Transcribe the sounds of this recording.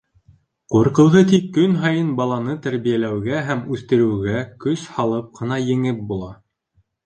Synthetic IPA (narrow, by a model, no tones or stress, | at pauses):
quɾqɤ̆wʁɤt̪ikːɵnɦɑjɤnbɑlˠɑnɤt̪æɾβijælæwɡæɦæmʉθt̪ɘ̆ɾɘ̆wɡækɵshɑlˠɤp̚qʰɤ̆nɑjɘ̆ŋɘp̚bulˠɑ